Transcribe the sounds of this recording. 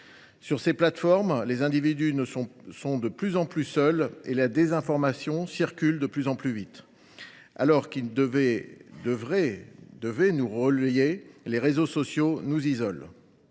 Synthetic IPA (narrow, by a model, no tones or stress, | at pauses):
syʁseplat̪fɔʁmlezɛ̃d̪ivid̪ynəsɔ̃sɔ̃d̪əplyzɑ̃plysœlelad̪ezɛ̃fɔʁmasjɔ̃siʁkʲyld̪əplyzɑ̃plyvit̪ | a̰lɔʁkid̪əvɛd̪əvʁɛd̪əvɛnuʁəljeleʁezosɔsjonuzizɔl